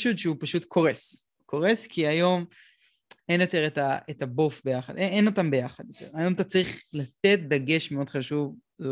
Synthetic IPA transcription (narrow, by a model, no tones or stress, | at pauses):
ʃudʃeupaʃutkʰo̞ʁes | ko̞ʁeskʰiajo̞m | enjo̞te̞ʁetaetabofbejaχad̪eeno̞tambe̞jaχad̪jot̪ḛʁajo̞mt̪at͡saʁiχlat̪e̞t̚daɡe̞ʃmeo̞d̪χaʃuv